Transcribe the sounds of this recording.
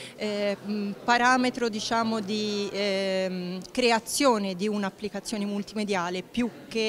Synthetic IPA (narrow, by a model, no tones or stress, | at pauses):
paɾaːmet̪ɾod̪it͡ʃaːmod̪i | kɾeat̪sːjoːned̪iunaːpːlikat̪sːjoːnemult̪imed̪jaːlepjukːe